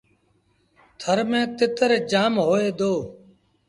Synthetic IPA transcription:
t̪ʰəɾmẽːt̪ɪt̪əɾd͡ʒaːmɦoːeːd̪oː

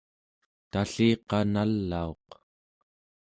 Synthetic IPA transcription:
t̪aɬiːqɑnalːao̞q

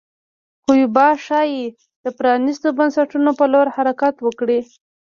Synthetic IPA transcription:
xujbɑʃɑje | d̪̥əpɾɑnist̪obansaʈunopəloɾhaɾakat̪wəkɽi

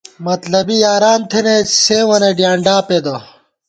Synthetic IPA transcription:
mɐt̪lɐbijaːɾaːnt̪ʰeneseːwɐneɖjaːɳɖaːped̪o

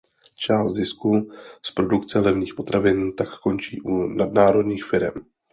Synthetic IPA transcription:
t͡ʃaːst̪zɪskuspɾo̞dukt͡sɛlɛvɲiːxpo̞t̪ɾavɪnt̪akːo̞nt͡ʃḭːʔunadnaːɾo̞dɲiːxfɪɾɛm

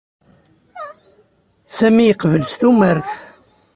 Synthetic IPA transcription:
sæmijəqvəlsθuməɾθ

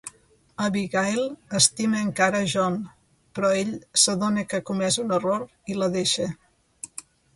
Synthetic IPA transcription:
əβiɣajlˠəst̪iməːŋkaɾəʒɔn | pɾɔeʎsəðonəkəkumɛzunəroɾ | iləðeʃə

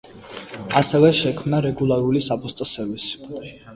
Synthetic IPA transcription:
asɛvɛʃɛkʰmnaɾɛɡulˠaɾulisapʰʼɔst̪ʼɔsɛvis

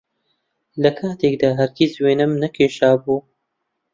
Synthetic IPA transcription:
lɐkʰaːt̪ʰeːkd̪aːɦɐɾɡʲeːzweːnɨmnɐkʰeːʃaːbuː

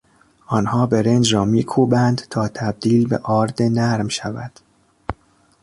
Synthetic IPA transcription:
ʔɒːnhɒːbe̞ɾend͡ʒɾɒːmiːkʰuːbænd̪t̪ʰɒːt̪ʰæb̚d̪iːlbḛʔɒːɾd̪enæɾmʃævæ̰d̪̥

